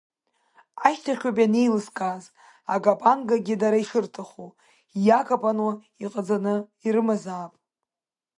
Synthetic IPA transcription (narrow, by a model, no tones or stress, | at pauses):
aʃtʰaχʲᶣapʼjanejlɨskʼaz | aɡʼapʼanɡaɡʲɪdaɾaiʂɨrtʰaχu | jakʰʼapʼanwa | iqʼad͡zanɨiɾɨmazaːpʼ